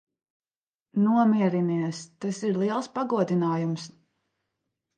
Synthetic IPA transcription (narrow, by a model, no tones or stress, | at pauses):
nuɔmʲiɛɾiniɛst̪asiɾlˠiɛlˠspaɡuɔd̪inaːjums